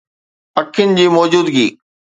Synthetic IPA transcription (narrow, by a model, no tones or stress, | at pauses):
pɐkʰːɪnɪ̆d͡ʑiːmɔːd͡ʑuːd̪ɡiː